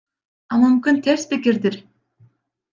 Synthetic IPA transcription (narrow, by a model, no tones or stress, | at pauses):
ɑmymkynt̪ʰeɾsbikiɾd̪iɾ